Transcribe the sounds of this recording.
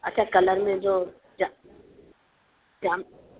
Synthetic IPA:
ɐtːt͡ʃʰakɐləɾmẽd͡ʑoː | a | tam

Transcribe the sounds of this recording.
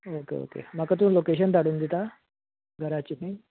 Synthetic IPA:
okḛo̰kḛmakat̪̬ũːlokeɕ̬ənt̪aɽuːnd̪it̪a | ɡʱəɾat͡ɕini

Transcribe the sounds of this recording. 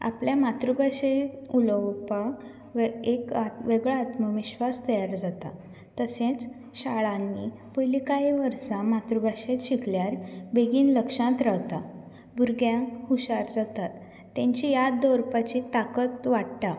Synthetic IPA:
a̰pljamat̪ɾubaɕeuləwpak | ʋekaʋeɡɭaːt̪məʋiɕʋast̪əjaɾd͡zat̪a̰ | t̪əsẽt͡s | ɕaɭãnːi | pəjlikaɦiʋəɾsãmat̪ɾubaɕẽɕikljaɾbeɡiːnləkʂãt̪ɾawt̪a | buɾɡjãkhuɕaɾd͡zat̪at̪ː | ãɲt͡ɕijad̪ɔɾpat͡ɕit̪akət̪ʋaɽʈ̪a

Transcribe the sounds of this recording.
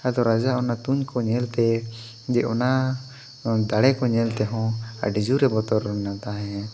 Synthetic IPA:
ad̪ɔɾad͡ʒaʔɔnat̪uɲkɔɲɛlt̪ɛ | d͡ʒɛʔɔna | d̪aɽɛkɔɲɛlt̪ɛɦɔ̃a̰ɖid͡ʒuɾɛbɔt̪ɔɾnat̪aɦɛ̃

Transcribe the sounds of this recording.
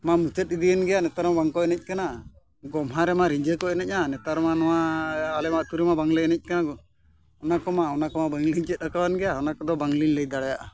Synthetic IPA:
mamut͡ʃɛt̪̚id̪ijənɡɛjanɛt̪aɾmabaŋkɔɛnɛc̚kana | ɡɔmɦaɾɛmaɾiɲd͡ʒekɔɛnɛc̚ˀnanɛt̪aɾɔmanɔwaːlɛmaʔt̪uɾɛmabaŋlɛɛnɛc̚kana | ɔnakɔmaɔnakɔmabaŋliɲt͡ʃɛt̪̚ˀakawanɡɛjaɔnakɔd̪ɔbaŋliɲləjd̪aɽajaʔa

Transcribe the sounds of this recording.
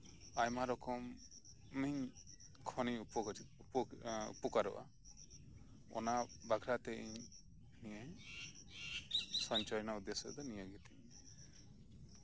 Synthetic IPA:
ajmaɾɔkɔmː | iɲ | kʰɔniupɔkɔt͡ʃit̪̚ | ṵpukaɾɔ̰wʔa̰ | ɔ̰nabaɡʱɾat̪ɛʔiɲ | nie | sɔɲt͡ʃɔjnaud̪esɔd̪ɔnijəɡit̪iɲ

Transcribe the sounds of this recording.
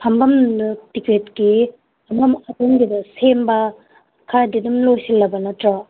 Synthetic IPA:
pʰɐmbɐmnɯtiketki | ɐmɐmɐtuŋɡidɐsembɐ | kʰaɾdinumlojsilːɐbɐnɐtɾa

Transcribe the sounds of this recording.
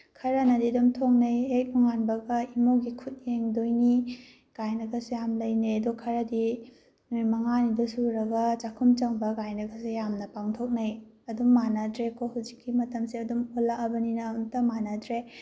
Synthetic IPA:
kʰɐɾɐnɐdidumtʰoŋ̚nɐjek̚nuŋanbɐɡɐimoɡikʰut̚jeŋdojni | ɡ̥ajnɐɡɐsejamlɐjnejɐdukʰɐɾɐdi | nujmɐŋanidɐsuɾɐɡɐt͡ʃakʰumt͡ʃɐŋbɐɡajnɐɡɐsejamnɐpaŋtʰok̚nɐj | ɐdumːanɐdɾekohuzikːimɐtɐmsiɐdumolaʔɐbɐninɐuntɐmanɐdɾe

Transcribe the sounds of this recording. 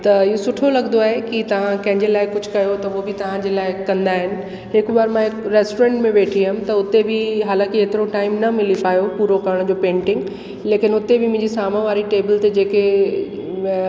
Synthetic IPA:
t̪ɐɪɦosʊʈʰolɐɡənd̪oaːɦekit̪ɐʋ̤ãkɐ̃ɦɪ̃ɲd͡ʑelaːɪkʊd͡ʑʱʊkɐjot̪ɐʊobɪt̪ɐʋ̤ãd͡ʑeːlaːɪkɐ̃nd̪aːɦɪnɪ̆ | ɦɪkbaːɾmãɦɪkɾeːsʈoɾɛ̃ɳʈmẽʋeːʈʰiɪmt̪ɐʊt̪ebʱɪɦaːlãːkieːt̪ɪɾoʈaːɪmnɐmɪlipaːjopuːɾokɐɾəɽ̃d͡ʑoːpẽːɳʈɪ̃ŋɡ | leːkɪnʊt̪ebɪmʊ̃ɦɪ̃ɲd͡ʑisaːmãʋaːɾiʈeːbɪlt̪ed͡ʑeːke

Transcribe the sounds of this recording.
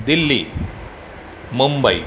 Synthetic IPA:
d̪ɪlːi | mʊmbɐɪ

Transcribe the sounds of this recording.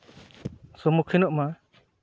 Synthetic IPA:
sɔmukʰɛnɔʔma

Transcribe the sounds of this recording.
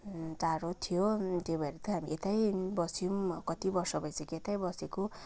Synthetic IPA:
taɾot̪ʰijot̪ebʱʌeɾet̪ʌɦamiʔet̪ajbʌsumkʌt̪ibʌrsʌbʌjseket̪ajbʌseko

